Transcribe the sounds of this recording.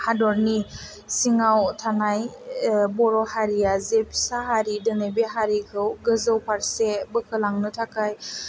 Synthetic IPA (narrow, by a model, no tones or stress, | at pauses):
hadɔɾni | siŋawtʰanaj | bɔɾɔhaɾijazepʰi̥saɦaɾidɯnejbeɦaɾikʰɯwɡɯzɯwpʰaɾsebɯkʰɯlaŋnɯtʰakaj